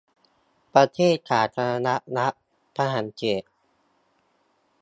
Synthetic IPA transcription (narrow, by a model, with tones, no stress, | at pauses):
pɾa˧t̪ʰeː˥˩t̪̚kʰaː˨˩t̪ʰa˧a˧na˦˥ʔna˦˥ʔ | pʰa˧ɦa˩˦nt͡ɕeː˨˩t̪̚